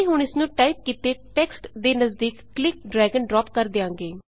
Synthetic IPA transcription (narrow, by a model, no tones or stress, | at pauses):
iɦʊɳɪsnũːʈaːip̚kiːt̪eːʈɛːksʈd̪eːnəzd̪iːkːlɪk̚ɖɾɛːɡənɖɾɔːpkəɾd̪eːãːŋɡeː